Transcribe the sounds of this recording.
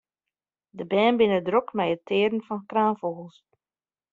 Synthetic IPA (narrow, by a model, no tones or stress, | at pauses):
dəbɛːnbɪnədrokmɛjətʰɪːɾn̩fɔnkraːnfoːɣəlˠs